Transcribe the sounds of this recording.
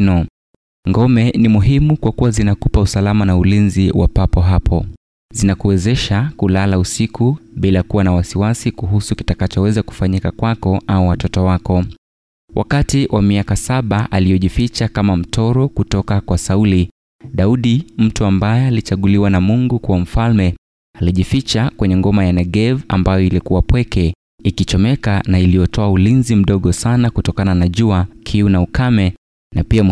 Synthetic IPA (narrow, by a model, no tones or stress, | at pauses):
ɔ | ŋɡɔmɛnimuɦimukwakuwazinakupausalamanaulinziwʔa̰papɔɦapʰɔ | zinakuwɛzɛʃakulalausikʰuɓilakuwanawasiwasikuɦusuki̥takat͡ʃɔwɛzaku̥faɲikakwakɔauwatɔtɔwakɔ | wʔa̰katiwʔamiakasaɓaʔalijɔʄifit͡ʃakamam̩tʰɔɾɔkutɔkakwasauli | ɗauɗim̩tuambajɛalit͡ʃaɠuliwanamuŋɡukuwam̩falmɛ | aliʄifit͡ʃakwɛɲɛŋɡɔmajanɛɠɛva̰mbajɔilikuwapwɛkɛ | ikit͡ʃɔmɛkanailiɔtʰɔaulinzim̩ɗɔɠɔsanakutɔkananaʄuakʰiunaukʰamɛ | napia